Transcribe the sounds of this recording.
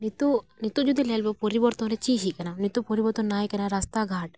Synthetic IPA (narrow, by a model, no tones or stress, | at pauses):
nit̪unit̪ud͡ʒud̪ilelbepoɾibɔɾt̪õɾet͡ʃiʃikɐnanit̪upoɾibɔɾt̪unaːjkɐnaɾast̪aɡʱaːʈ̚